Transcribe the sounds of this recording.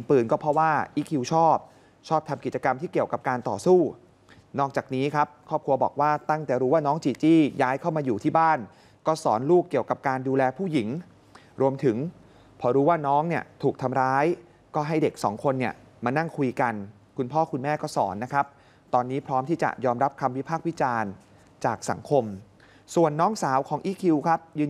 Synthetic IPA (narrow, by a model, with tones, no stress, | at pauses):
npɯː˨˩nkɔː˥˩pʰɾɔ˦˥waː˥˩ʔi˦˥˩kʰi˧wt͡ɕʰɔː˥˩p̚ | t͡ɕʰɔː˥˩p̚t̪ʰa˧mki˨˩t̪̚t͡ɕa˧ka˧mt̪ʰiː˥˩ki˨˩əwka˨˩p̚kaː˧nt̪ɔ̰ː˨˩suː˥˩ | nɔː˥˩k̚t͡ɕaː˨˩k̚niː˦˥kʰa˦˥p̚kʰɾɔː˥˩p̚kʰɾu˧ɐbɔː˨˩k̚waː˥˩t̪a˥˩ŋt̪ɛː˨˩ɾuː˦˥waː˥˩nɔː˦˥ŋt͡ɕiː˧t͡ɕiː˥˩jaː˦˥jkʰa˥˩wmaː˧juː˨˩t̪ʰiː˥˩baː˥˩n | kɔː˥˩sɔ̰ː˩˦nluː˥˩kːi˨˩əwka˨˩p̚kaː˧nduː˧lɛː˧pʰuː˥˩ji˨˩˦ŋ | ɾu˧əmt̪ʰɯ˩˦ŋ | pʰɔː˧ɾuː˦˥waː˥˩nɔː˦˥ŋni˥˩ət̪ʰuː˨˩k̚t̪ʰa˧mɾaː˦˥j | kɔː˥˩ɦa˥˩jde˨˩k̚sɔ̰ː˩˦ŋkʰo˧nːi˥˩ə | maː˧na˥˩ŋkʰu˧jka˧n | kʰu˧npʰɔː˥˩kʰu˧nmɛː˥˩kɔː˥˩sɔ̰ː˩˦nːa˦˥kʰɾa˦˥p̚ | t̪ɔː˧nːiː˦˥pʰɾɔː˦˥mt̪ʰiː˥˩t͡ɕa̰˨˩jɔː˧mɾa˦˥p̚kʰa˧mwi˦˥pʰaː˥˩k̚wi˦˥t͡ɕaː˧n | t͡ɕaː˨˩k̚sa̰˩˦ŋkʰo˧m | su˨˩ənːɔː˦˥ŋsaː˩˦wkʰɔː˩˦ŋʔiː˦˥kʰi˧wkʰa˦˥p̚jɯː˧n